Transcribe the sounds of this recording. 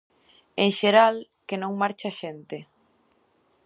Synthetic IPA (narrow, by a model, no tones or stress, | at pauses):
eŋʃeɾal | kenõŋmaɾt͡ʃaʃent̪e